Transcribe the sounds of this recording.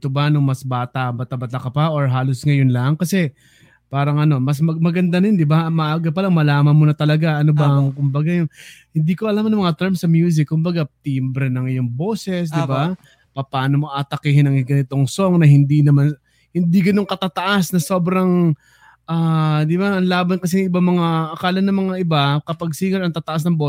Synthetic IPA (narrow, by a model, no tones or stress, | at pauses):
t̪obɐnʊŋmɐsbaːt̪ɐʔbɐt̪ɐbɐt̪akɐpɐʔoɹɦaːlosŋɐjonlɐŋkɐsɛ | paːɾɐŋʔɐno̞mɐs̬mɐmɐɡɐnd̪anɐjond̪ɪbamɐʔaːɡɐp̬ɐlaŋmɐlaːmɐnmonɐt̪ɐlɐɡaʔɐnobɐkʊmbɐɡajʊŋhɪnd̪iːkoʔɐlamnɐŋmɐŋat̪ɛɹmsɐmjuːs̬ɪkːʊmbɐɡat̪iːmbɾɛnɐŋɪjʊŋbo̞ːsɛs̬d̪ɪba | pɐpaːno̞mo̞ʔat̪ɐkiːhɪnɐŋɡɐnɪt̪o̞ŋso̞ŋnɐhɪnd̪inɐman | hɪnd̪iɡɐno̞ŋkɐt̪at̪ɐʔasnɐso̞ːbɾɐŋ | ʔaːd̪ɪbaʔɐnlaːbɐnkɐs̬ɛjŋɪbamɐŋaʔɐkaːlɐnːɐmɐŋaʔɪbakɐpaɡ̚siŋɐɾɐŋt̪aːt̪ɐʔas̬nɐŋbo